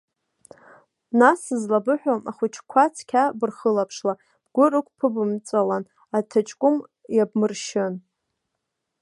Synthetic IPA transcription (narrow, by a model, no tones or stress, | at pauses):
nasɨzlabɨħʷᶣomʔaχʷʊt͡ʃʰkʷʰat͡sʰkʲʰabɨrχəlapʰʂla | b̥ɡ̥ʷʊrɨkʷʰʼpʰɨbɨmt͡sʷʼalan | atʰat͡ʃʼkʷʼʊm | jab̚mɨrʃɪn